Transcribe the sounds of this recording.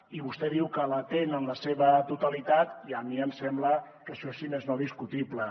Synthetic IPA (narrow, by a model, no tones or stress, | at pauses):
iβust̪ɛðiwkələt̪enənləseβət̪ut̪alit̪at̪iəmiəmsɛmbləkəʃɔesimeznoðiskut̪iplə